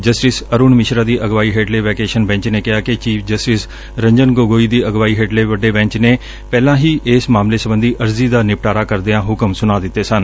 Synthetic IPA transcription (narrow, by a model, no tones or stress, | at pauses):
d͡ʒəsʈɪsəɾuːnmɪʃɾaːd̪iːʔəɡʋaːiːɦeːɖleːʋɛːkeːʃənbɛ̃ːɲt͡ʃneːkɪaːkɪt͡ʃiːpʰd͡ʒəsʈɪs | ɾəɲd͡ʒənɡoːɡoːiːd̪iːəɡʋaːiːɦeːɖleːʋəɖeːbɛ̃ːɲt͡ʃneː | pɛːlãːɦiːʔeːsmaːmleːsəbənd̪iːʔəɾziːd̪aːnɪpʈaːɾaːkəɾd̪eãːɦʊkəmsʊnaːd̪ɪt̪ːeːsən